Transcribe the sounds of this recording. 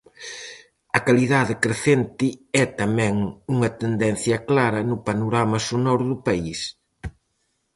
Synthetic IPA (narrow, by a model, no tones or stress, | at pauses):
ɐkaliðaðɪkɾeθent̪ɪɛt̪ɐmɛ̃ŋuŋɐt̪end̪ɛnθjɐklaɾɐnʊpanoɾamɐsonɔɾðʊpais